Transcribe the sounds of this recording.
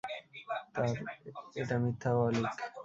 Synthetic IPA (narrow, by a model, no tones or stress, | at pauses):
t̪aɾeʈamit̪ʰːawalik